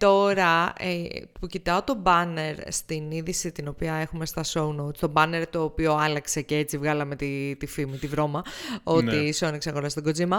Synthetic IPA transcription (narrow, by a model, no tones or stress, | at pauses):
t̪o̞ɾɐ | pucit̪ɐo̞t̪o̞bɐne̞ɾst̪iniðisit̪ino̞piɐe̞xume̞st̪ɐso̞unot̪st̪o̞bɐne̞ɾt̪o̞ːpio̞ɐlɐkse̞ceet͡sivɣɐlɐme̞t̪it̪ifimit̪ivɾo̞mɐo̞t̪isonikseɐɣo̞ɾɐst̪oɡo̞zimɐ